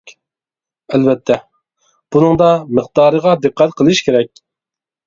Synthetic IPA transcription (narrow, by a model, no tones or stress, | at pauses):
ɛlvɛt̪ʰːɛ | b̥unɨŋd̪ɑmɨqd̪ɑːɾəʁɑd̪ɨqʰːæt̪qʰəlˠɨʃkʲʰeɾɛk̚ʲ